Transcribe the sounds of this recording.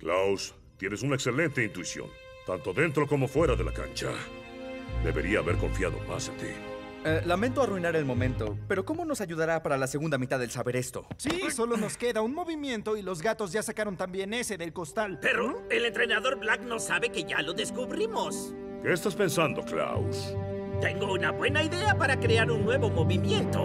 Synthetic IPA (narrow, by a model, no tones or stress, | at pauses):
klaws | t̪je̞nesunaekse̞le̞nt̪eint̪uisjo̞̰n | t̪ant̪o̞ðe̞nt̪ɾo̞ko̞mo̞fwe̞ɾaðela̰ka̰nt͡ʃa̰ | d̪e̞̰βe̞̰ɾiaːβe̞ɾko̞̰ɱfjaðo̞̰ma̰sat̪ḭ | lament̪oaruinaɾe̞lmo̞mẽ̞nt̪o̞pe̞ɾo̞ko̞mono̞saʝuðaɾapaɾalaseɣund̪amit̪aðe̞lsaβe̞ɾe̞st̪o̞̰siso̞lo̞no̞ske̞ðaunmo̞βimje̞nt̪o̞ilo̞zɣat̪o̞zʝasakaɾo̞nt̪ambje̞ne̞se̞ðelko̞st̪alpe̞ɾoelent̪ɾenaðo̞ɾblakno̞saβeke̞ʝa̰lo̞ðe̞skuβɾimo̞s | keːst̪aspe̞nsand̪o̞kla̰wst̪e̞ŋɡo̞unabwe̞naiðe̞apaɾakɾe̞aɾunːwe̞βo̞mo̞βimje̞nt̪o̞̰